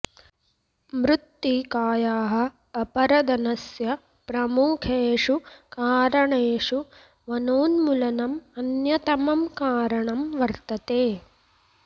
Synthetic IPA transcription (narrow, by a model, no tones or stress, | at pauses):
mɾut̪ːikaːjaːɦɐ̆ː | pɐɾɐd̪ɐnɐsjɐ | pɾɐmuːkʰeːʂukaːɾɐɳeːʂu | ʋɐnoːnmulɐnɐmɐnjɐt̪ɐmɐmkaːɾɐɳɐmʋɐɾt̪ɐt̪eː